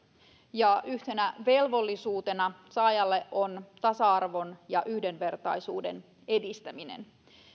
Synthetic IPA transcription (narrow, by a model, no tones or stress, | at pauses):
jɑʔyht̪e̞næʋe̞lʋo̞lːisuːt̪e̞nɑsɑːjɑlːe̞ʔo̞nt̪ɑsɑɑrʋo̞njɑʔyhde̞nʋe̞rt̪ɑjsuːde̞n | e̞dist̪æminḛn